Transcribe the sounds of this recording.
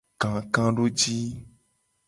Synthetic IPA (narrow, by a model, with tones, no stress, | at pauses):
kã˨kã˦ɖo˦d͡ʒi˦